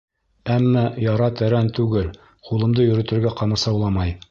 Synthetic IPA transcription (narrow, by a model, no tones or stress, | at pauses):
æmːæjɑɾɑt̪æɾænt̪ʉɡɘl | qulˠɤ̆md̪ɤjɵ̆ɾɵ̆t̪ɘ̆ɾɡæqɑmɤsɑwlˠɑmɑj